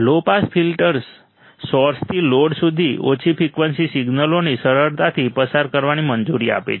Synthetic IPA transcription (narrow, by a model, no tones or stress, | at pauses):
lopasfʰilʈəɾsː | ɔɾst̪ʰiloɽsud̪ʱio̰t͡ʃʰifʰikʋənsisiɡnəlonisəɾəɾt̪at̪ʰipəsaɾkəɾʋanimənd͡ʒuɾia̰pḛt͡ʃʰ